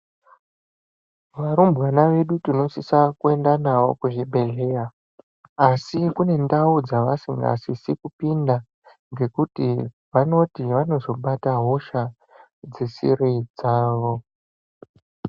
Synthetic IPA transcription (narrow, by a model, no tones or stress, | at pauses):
ʋaɾumbwanaʋe̞ɗutino̞sisakue̞ndanaʋo̞̰kuʐibʱe̞ɮe̞raː | sikune̞ndaud͡zaʋasiŋɡa̰sisikupinda | ŋɡe̞kuti | ʋano̞tiʋano̞zo̞ɓataɦo̞ʃa | d͡zesḭrid͡zaːʋo̞